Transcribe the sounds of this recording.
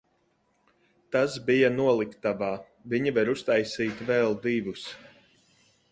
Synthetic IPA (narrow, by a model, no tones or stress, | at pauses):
t̪asbijanuɔlˠikt̪avaː | viɲivaɾust̪ajsiːt̪vɛlˠd̪ivus